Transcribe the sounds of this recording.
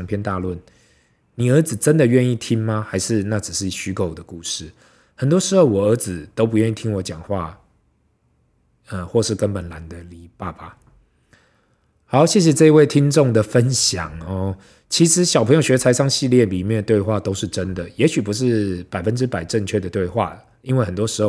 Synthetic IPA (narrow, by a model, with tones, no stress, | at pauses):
ŋpʰjɛ˥nt̪a˥˧lwə˥˩n | ni˨˩ə˞˧˥d͡zɹ̩˨˩ʈ͡ʂə˦nd̪ə˨ɥɛ˥˧ni˥˩t̪ʰi˥ŋma˧xa˧˥ɪʂɻ̩˥˧na˥˩ʈ͡ʂ̩˨˩ʂɻ̩˥˩i˨˩ɕy˧˥kʰo˨˩ʊd̪ə˩ku˥˧ʂɻ̩˥˩ | hə˨˩nt̪wɔ˥ʂɻ̩˧˥xo˥˩ʊwɔ˨˩ə˧˥d͡zɹ̩˨t̪o˥ʊp̬u˧˥ɥɛ˥˧ni˥˩t̪ʰi˥ŋwɔ˧˥t͡ɕjɑ˨˩ŋxwa˥˧ | ə˧xwɔ˥˧ʂɻ̩˥˩kə˦npə˨˩nla˧˥nd̪ə˨li˧˦pa˥˧ba˨˩ | ha˧˥˦ʊɕjɛ˥˩ɕ̬jɛ˨ʈ͡ʂɤ˥˧i˧we˥˩ɪt̪ʰi˥ŋʈ͡ʂo˥˩ŋd̪ə˩fə˦nɕja̰˨˩ŋɔ˧ | t͡ɕʰi˧˥ʂɻ̩˧˦ɕjɑ˨ʊpʰə˧˦ŋjo˨ʊɕɥɛ˧˥t͡sʰa˧˥ɪsɑ˥ŋɕi˥˧ljɛ˥˩li˨˩mjɛ˥˩nd̪ə˩t̪we˥˧ɪxwa˥˨t̪o˥ʊʂɻ̩˥˨ʈ͡ʂə˦˥nd̪ə˨jɛ˧˥ɕy˨˩pu˧˦ʂ̬ɻ̩˥˩pa˨˩ɪfə˦nʈ͡ʂɻ̩˦˥pa˨˩ɪʈ͡ʂə˥˧ŋt͡ɕʰɥɛ˥˩d̪ə˨˩t̪we˥˧ɪxwa̰˥˩ə | i˦nwe˥ɪxə˨nt̪wɔ˥ʂɻ̩˧˥xo˥˨